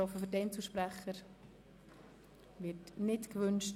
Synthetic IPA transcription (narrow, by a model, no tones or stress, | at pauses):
ɔfəfʏɾdɛnt͡suʃpɾɛχəɾ | vɪtnɪtkʋʏnt͡ʃt